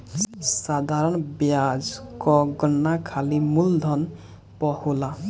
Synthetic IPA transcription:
sad̪ʱaɾɔnbjazkɔɡɔnːakʰalimuld̪ʱɔn | pɔhula

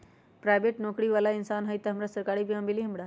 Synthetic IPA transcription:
pɾajʋeʈnɔkɽiʋalainsanɦəjt̪əɦəmɾasəɾkaɾibʱiɦəmbiliɦəmbɽa

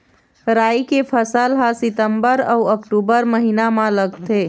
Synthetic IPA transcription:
ɾaːjkepʰəsəlɦasɪt̪əmbəɾɔəkʈuːbəɾməɦinamãləɡt̪ʰe

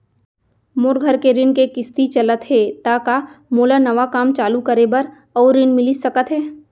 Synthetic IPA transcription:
moːɾɡʱəɾkeɾɪnkekɪst̪it͡ʃɐlət̪ɦɛt̪akamoːlanɐʋakaːmt͡ʃaːlukəɾebɐɾ | ɔːɾːɪnmɪlɪsɐkət̪ɦɛː

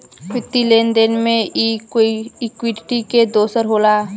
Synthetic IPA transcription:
pɪt̪ːileːnd̪eːnmẽikiɪkwɪʈiked̪oːsəɾɦoːlaː

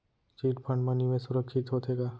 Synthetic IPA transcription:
t͡ʃiːʈpʰə̃ɳɖmənimẽsʊɾəkʰʃɪt̪ɦot̪ɦeːɡaː

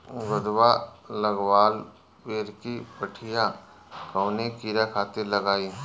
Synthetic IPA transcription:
ɡʊd̪walɐɡwaːl | peːɾkipəʈʰija | kɐːnekiːɾakʰaːt̪ɪɾlɐɡaːiː

